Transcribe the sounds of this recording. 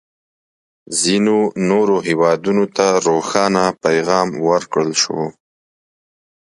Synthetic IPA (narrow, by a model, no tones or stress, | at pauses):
zinonoɾoɦewɑd̪unot̪aɾoxɑnapajɣɑmwəɾkɽəlʃo̰